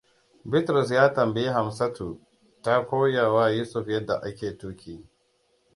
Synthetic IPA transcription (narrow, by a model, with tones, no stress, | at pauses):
bɪ˦tɾʊ˨s̬jaː˦tɐ˨mbɪ˦ji˦ɦa˨msɐ˦tʰu˨ | ta˦kʷoː˦ja˨wa˦juː˦sʊ˨ɸjɐ˦dːa̰˨ʔa˦kʲeː˨tuː˦kʲʰiː˦